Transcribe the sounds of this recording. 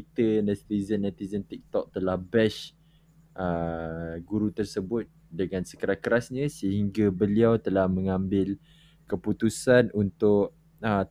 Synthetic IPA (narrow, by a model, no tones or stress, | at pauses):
t̪ənɛt̪izənːɛt̪izənt̪ik̚t̪ɔk̚t̪əlahbɛʃ | ʔə | ɡuɾut̪ərsəbʊt̪̚ | dəŋãnsə̥kəɾahkəɾasɲə̃səɦiŋɡabəliawt̪əlahmə̃ŋãmbɪl | kəput̪usanunt̪ʊʔ | ə